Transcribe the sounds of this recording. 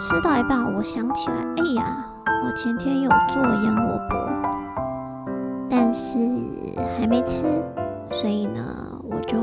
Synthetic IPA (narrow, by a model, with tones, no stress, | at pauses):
ʈ͡ʂʰɻ̩˥t̪ɑ˥˩ʊi˧˥pa˥˩nwɔ˨˩ɕjɑ˧˥ŋt͡ɕʰi˨˩la̰˧ɪe˥˩ɪɐ̰˩ | wɔ˨˩t͡ɕʰjɛ˧˥nt̪ʰjɛ˥njo˨˩ʊt͡s̩˥˩wjɑ˥ŋwɔ̰˨˩pwɔ̰˧˥ | t̪a˥˧nʂɻ̩˥˩xa˧˥ɪme˧˥ɪʈ͡ʂʰɻ̩˥ | swɔ˧˥i˨˩nə̰˧˩ | wɔ̰˨˩t͡ɕjo˥˩ʊ